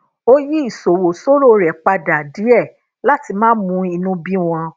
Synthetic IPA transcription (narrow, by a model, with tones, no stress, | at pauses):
o˦ji˦i˦˨so˨wo˨so˦ɾo˦˨ɾɛ˨k͡pa˧da˨di˨˦ɛ˦˨ | la˦ti˧mãː˦mũ˧˦i˧nũ˧˦bi˦w̃ɔ̃˧